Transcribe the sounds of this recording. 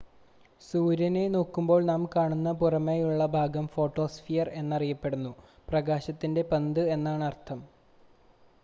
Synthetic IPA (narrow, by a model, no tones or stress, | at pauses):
suːɾɐne̞no̞ːkːumbo̞ːɭnaːmkaːɳunːɐpurɐmejuɭːɐbʱaːɡɐmfo̞ːʈːo̞ːsfijɐre̞nːɐrijɐpːe̞ɽunːuprɐɡaːɕɐt̪ːinde̞pend̪ɨe̞nːaːɳɨɐrt̪ʰɐm